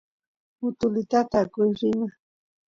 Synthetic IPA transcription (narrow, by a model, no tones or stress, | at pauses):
ʊt̪ʊlɪt̪at̪akʊjɾɪma